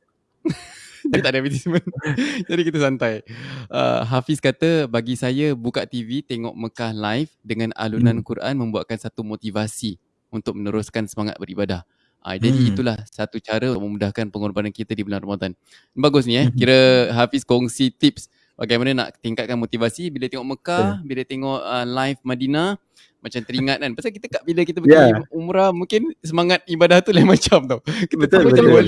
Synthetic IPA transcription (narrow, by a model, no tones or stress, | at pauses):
it̪aʔdamit̪ismənd͡ʒadikit̪əsant̪ajə̰ɦafɪskat̪əbaɡisajabukaʔt̪ivit̪eŋɔ̰ʔməkahlajfdəŋãna̰lunankuɾʔa̰nmə̃mbua̰tʔ̪̚kansat̪umot̪ivasi | unt̪ʊk̚mənəɾʊskansəmaŋa̰t̪̚bəɾibadah | ʔa̰d͡ʒadiːt̪ulahsat̪ut͡ʃaɾəuk̚məmudahkanpəŋɔrbanankit̪adibənanrəmad̪an | nbaɡʊs̬niɛkiɾəɦafɪskɔŋsit̪ip̚s | baɡajmanana̰ʔt̪iŋkat̪̚kanmot̪ivasibilat̪eŋɔʔməkabilat̪eŋɔʔəlajfmadina | mat͡ʃamt̪əɾiŋat̪̚anpasak̬it̪əkaʔbiləkit̪̬əbəiumuɾamuŋkɪnsəmaŋat̪̚ibadaht̪uləmat͡ʃamt̪ʊkit̪iol